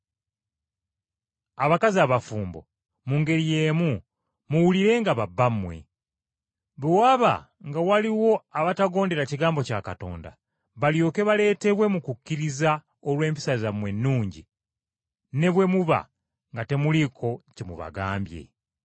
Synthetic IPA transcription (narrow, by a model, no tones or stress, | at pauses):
aβakaziaβafuːmbo̞̰ | muŋɡe̞ɾije̞ːmu | muwuliɾe̞ŋɡaβabːamwe̞̰ | βoaβa̰ | ŋɡawaliwo̞aβataɡo̞ːnde̞ɾaciɡaːmbo̞cakato̞̰ːnda̰ | βaljo̞ːke̞βale̞ːte̞βwe̞mukukːiɾiza | olwe̞ːmpi̥sazamwe̞nːuːɲɟi | ne̞βwe̞muβa̰ | ŋɡate̞mulikʰo̞cemṵβa̰ɡa̰ːmbje̞̰